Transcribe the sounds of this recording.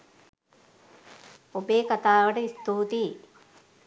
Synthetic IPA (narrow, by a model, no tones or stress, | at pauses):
obeːkat̪aːʋəʈəist̪uːt̪i